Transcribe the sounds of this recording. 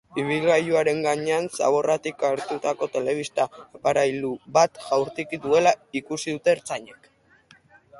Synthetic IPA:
iβ̞ilɣajuaɾe̞ŋɡaɲe̞ansa̰β̞o̞rat̪ikaɾt̪ut̪ako̞t̪e̞le̞β̞ist̪aːpaɾajluβat̪ʝawɾt̪ikiðue̞laikusiðut̪e̞ːɾt͡saɲe̞k

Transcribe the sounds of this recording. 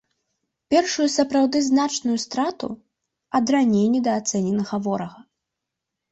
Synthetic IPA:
pʲɛrʂujusɐpɾawd̪ɨznat͡ʂnujust̪ɾat̪ṵ | ɐd̪ɾanʲejnʲːɛd̪ɐːt̪sɛnʲɛnɐɣɐvɔɾɐɣɐ

